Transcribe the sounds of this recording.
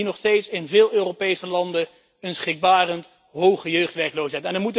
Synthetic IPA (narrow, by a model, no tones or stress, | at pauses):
inɔχstejtsɪnvɪːlˠøːropejsəlɑndə | ənsχɪɡ̚baːrənt | ɦowχəjøɥχtʋɛɹklowsɦɛjtɛnəɹmutə